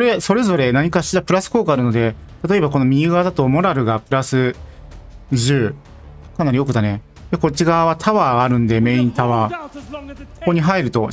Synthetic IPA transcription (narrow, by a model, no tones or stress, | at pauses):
koɾe̞so̞ɾe̞zo̞ɾe̞naɲ̟ikaɕiɾapɯ̟ɾasɨ̥ko̞ːkaɾɯ̟no̞d̪e̞t̪at̪o̞e̞βako̞no̞mʲiɯɡad̪at̪o̞mo̞ɾaɾɯ̟ɡapɯ̟ɾasɨ | ʑɨː | kanaɾʲio̞kɯ̟t̪ane̞ | d̪eko̞t͡ɕiɡaβat̪ʰaβaːɾɯ̟̃nd̪e̞me̞ːĩnt̪aβaː | kokoɲ̟iɦaiɾɯ̟t̪o̞